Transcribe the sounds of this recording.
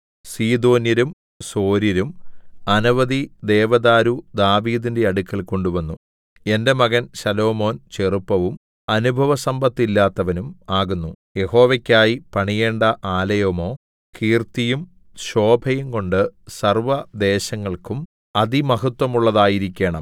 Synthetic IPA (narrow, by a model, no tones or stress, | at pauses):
siːd̪o̞ːnjɐɾum | so̞ːɾjɐɾumɐnuʋɐðid̪e̞ːʋɐðaːɾud̪aːʋiːðinde̞ɐɽukʲːɐlko̞ɳɖuʋɐnːu | e̞nde̞mɐɣɐnɕɐlo̞ːmo̞ːnt͡ɕerupːɐʋum | ɐnubʱɐʋɐsɐmbɐt̪ːilːaːt̪ːɐʋɐnumaːɣunːu | je̞ho̞ːʋɐkʲːaːjipɐɳije̞ːɳɖɐʔaːlɐjɐmo̞ː | kiːrt̪ijum | ɕo̞ːbʱɐjumko̞ɳɖɨsɐrʋɐd̪e̞ːɕɐŋːɐɭkum | ɐðimɐɦɐt̪ːwɐmuɭːɐðaːjiɾikʲːe̞ːɳɐm